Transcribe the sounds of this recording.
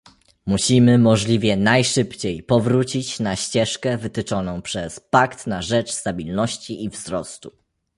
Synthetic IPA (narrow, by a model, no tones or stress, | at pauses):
muɕimɘmɔʐlʲivʲjɛnajʂɘpt͡ɕejpɔvɾut͡ɕit͡ɕnaɕt͡ɕɛʂkɛvɘt̪ɘt͡ʂɔnɔ̃w̃pʂɛspakt̪naʐɛt͡ʂst̪abʲilnɔɕt͡ɕiʔivzɾɔst̪u